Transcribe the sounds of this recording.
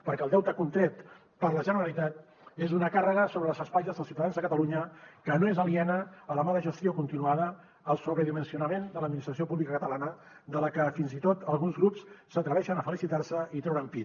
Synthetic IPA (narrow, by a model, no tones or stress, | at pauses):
pəɾkɛəlˠd̪ɛwt̪əkunt̪ɾɛt̪ | pəɾləʒənəɾəlit̪at̪̚ | ezunəkarəɣəsoβɾəlˠzəspajzəzðəlsiwt̪aðanzðəkət̪əluɲəkənoezəliɛnəːləmaðəʒəst̪jokunt̪inuaðəː | lˠsuβɾəðimənsiunəmend̪ələd̪minist̪ɾəsiopuβlikəkət̪əlanə | d̪ələkəfinzit̪ot̪əlˠɣunzɣɾupssət̪ɾəβɛʃənəfəlisit̪arsəit̪ɾɛwɾəmpi